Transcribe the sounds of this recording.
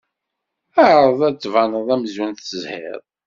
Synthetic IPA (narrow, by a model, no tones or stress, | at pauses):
æɾˤəðˤæt͡sːvɑnəðˤæmzwunθəzhɪ̰ɾˤ